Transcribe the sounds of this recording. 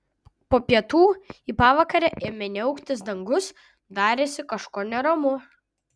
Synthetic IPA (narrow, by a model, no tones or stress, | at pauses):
poːpʲiɛt̪uːiːpɑːʋɑkɐɾʲɛʔeːmʲɛnʲɛʊkt̪ʲɪs̬d̪ɐŋɡʊs | d̪ɑːɾʲeːsʲɪkɐʃkoːnʲɛɾɐmʊ